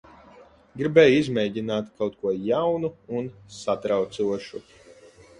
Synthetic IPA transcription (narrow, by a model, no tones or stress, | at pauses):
ɡɾibɛːjizmʲɛːɟinaːt̪kawt̪̚kuɔjawnuunsat̪ɾawt̪suɔʃu